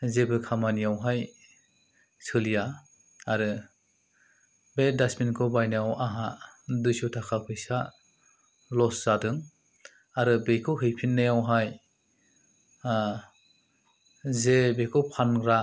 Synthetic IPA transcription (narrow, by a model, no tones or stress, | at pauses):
zebɯkʰamanijawɦaj | sʰɯlija | aɾɯ | bedasminkʰɔbajnawʔaɦadujsutʰakʰapʰɯjsa | lɔsz̥adɯŋ | aɾɯbejkʰɯɦɯjpʰinːajawɦaj | zebekʰɔwpʰanɡɾa